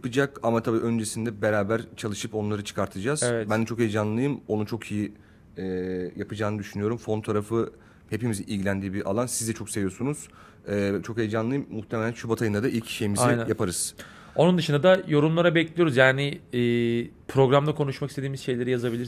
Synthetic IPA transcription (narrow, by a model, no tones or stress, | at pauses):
japɯd͡ʒakamat̪ʰabiːʔø̞nd͡ʒesind̪ɛbe̞ɾaːbæɾt͡ʃʰalˠɯʃɯpo̞nlˠaɾɯt͡ʃʰɯ̥kʰaɾt̪ʰɯd͡ʒaːzɛvɛt̪bænd̪ɛt͡ʃʰo̞kejd͡ʒanlˠɯjɯmo̞nut͡ʃʰo̞kʰiji | ɛjapɯd͡ʒaːnɯd̪yʃynyjo̞ɾumfo̞nt̪ʰaɾafɯ | he̞pimiziʔilʲɡɟilʲænd̪iːbiɾʔa̰lˠansizd̪ɛt͡ʃʰo̞kse̞vijo̞sunuz̥ | ɛːt͡ʃʰo̞kejd͡ʒanlˠɯjɯmːuxt̪ʰemelʲænʃubat̪ʰajɯnd̪ad̪aʔilʲcʰi̥ʃejimiaɛnæjapʰaɾɯz̥ | o̞nund̪ɯʃɯnd̪ad̪ajo̞ɾumlˠaɾabɛclʲijo̞ɾuzjaːnɪː | pʰɾo̞ɡɾamd̪akʰo̞nuʃmakist̪ed̪iːmizʃe̞jlʲeɾijazabilʲiɾ